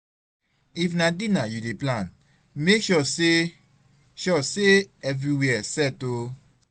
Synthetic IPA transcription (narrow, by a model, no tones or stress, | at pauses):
ifnadinajudeplãn | mekʃɔse | ʃɔseɛvɾiwɛɛsɛto